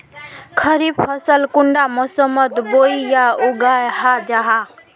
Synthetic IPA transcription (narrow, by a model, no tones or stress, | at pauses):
kʰəɾib̚pʰʌsəlkuɳɖamɔsəmət̪boijauɡajhad͡ʒaɦa